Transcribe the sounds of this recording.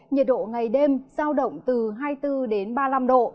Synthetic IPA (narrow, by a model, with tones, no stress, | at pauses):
ɲə˨˩t̚ɗo̰˧˨ŋa˨˩jɗe˧mz̥aː˧wɗə̰˧˨wŋ͡mt̪ɨ˨˩ɦaː˧jt̪ɨ˧ɗe˨˦nɓaː˧la˧mɗo̰˧˨